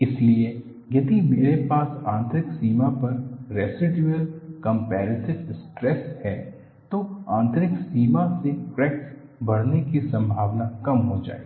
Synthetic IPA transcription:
ɪslie | jɐd̪imeːɾepaːsãːnt̪ɾɪksiːmapɐɾɾeːsɪɖjuəlkɐ̃mpɛːɾɪsɪbsʈɾɛshɛː | t̪oãːnt̪ɾɪksiːmãsefɾɛːksbɐɽnekisɐ̃mbʱaːʋnakɐmɦod͡ʒa̰ːḛː

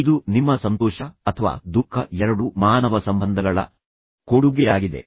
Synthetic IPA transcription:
id̪unimːɐsɐnt̪ɔːʃɐɐt̪ʰɐʋa̰ːd̪ukʰːɐɛɾɐɽumaːnɐʋɐsɐmbɐnd̪ʱɐɡɐɭɐ̰ | koɽuɡɛjaːɡid̪e̞̰

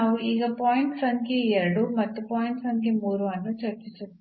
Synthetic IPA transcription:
auʔiɡɐpaːjiɳʈsɐŋkijɐɾɽumɐt̪ːupaːjiɳʈsɐŋkimuːɾuɐnːut͡ʃɐɾt͡ʃit͡ʃu

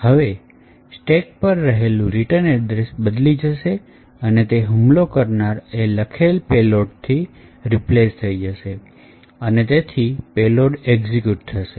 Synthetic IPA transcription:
həʋe | sʈek̚pəɾːəɦelũɾiʈəned̪ɾesbəd̪lid͡ʒəʃe | ənet̪eɦumlokəɾnaɾeləkʰelpeloɖt̪ʰiɾiplest̪ʰəid͡ʒəʃe | ənet̪et̪ʰipeloɖeɡzikjuʈ̚t̪ʰəʃe

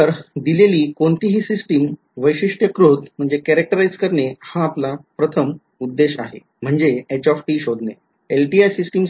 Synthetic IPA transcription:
əɾd̪ileliːkoɳt̪iːɦiːsisʈim | ʋəjɕiʂʈjəkɾot̪m̤əɳd͡zekɛɾek̚ʈəɾajd͡zkəɾɳehaːplapɾət̪ʰəm | ud̪ːeɕa̰ɦḛ | m̤əɳd͡zeet͡ɕɔfʈiːɕod̪ʱne | elʈiajsisʈim

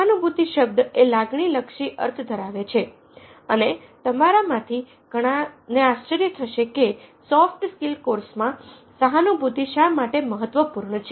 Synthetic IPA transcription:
anubʱut̪iʃəb̚d̪elaɡɳiləkʃiʔə̰ɾt̪ʰd̪ʱəɾaʋet͡ʃʰe | ənet̪əmaɾamãt̪ʰi | ɡ̥ʱəɽ̃aneast͡ʃəɾjət̪ʰəʃekesɔfʈskilkoɾsmã | saɦanubʱut̪iʃamaʈeməɦət̪ːʋəpuɾɳət͡ʃʰe

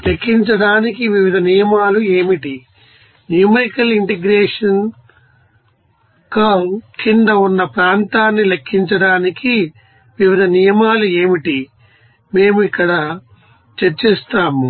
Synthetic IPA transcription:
lekʰːiɲt͡ʃɐɽaːnikiʋiʋid̪ʱɐnijɐmaːlueːmiʈi | njumɐjkɐliɳʈiɡɾeːʂɐn | kɐkind̪ɐunːɐpɾaːnt̪aːnːilekʰːiɲt͡ʃɐɽaːniki | ʋiʋid̪ʱɐnijɐmaːlue̞ːmiʈi | me̞ːmuikːɐɽɐ | t͡ʃɐɾt͡ʃeːst̪aːmu

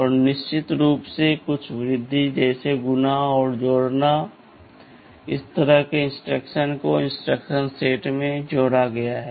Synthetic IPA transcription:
ɔːɾnɪʃt͡ʃɪt̪ɾuːpsekʊt͡ʃʰʋɾɪd̪ʱːid͡ʒɛːseɡʊnaɔːɾd͡ʒoːɽna | ɪ̰st̪əɾəɦkeɪ̃nsʈɾəkʃənkoɪ̃nsʈɾəkʃənseːʈmẽd͡ʒoːɽaɡɐjaɦɛː

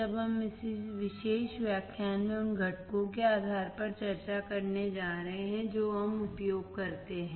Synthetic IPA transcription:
ɐbɦɐmɪsiʋɪʃeːʃʋjaːkʰjaːnmẽʊnɡʱɐʈkõkeaːd̪ʱaːɾpɐɾt͡ʃɐɾt͡ʃakɐɾned͡ʒaːɾɐɦẽɦɛ̃d͡ʒoːɦɐmʊpjoːɡkɐɾt̪eɦɛ̃ː

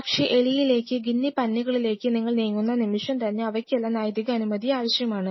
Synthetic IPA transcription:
ɐkʂe̞ʔeɭijile̞ːkːɨɡinːipɐnːiɣɐɭile̞ːkːɨniŋːɐɭniːŋːunːɐnimiʂɐmt̪ɐnːe̞ɐʋɐkʲːelːɐnaːjɐd̪iɣɐɐnumɐd̪ijaːʋɐɕjɐmaːɳɨ

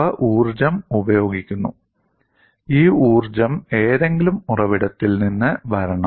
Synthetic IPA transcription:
ɐʔuːrd͡ʑɐmubɐjo̞ːɡikʲːunːṵ | iːuːrd͡ʑɐme̞ːðe̞ŋɡilumurɐʋiɽɐt̪ːilninːɨʋɐɾɐɳɐ

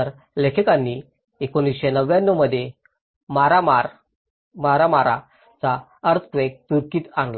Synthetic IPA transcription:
əɾ | lekʰekanːiː | ekonisɕenəʋjanːoməd̪ʱje | maɾamaɾ | maɾamaɾa̰ | t͡sa | əɾt͡s̪ʰkʋek̚t̪uɾkiːt̪anla

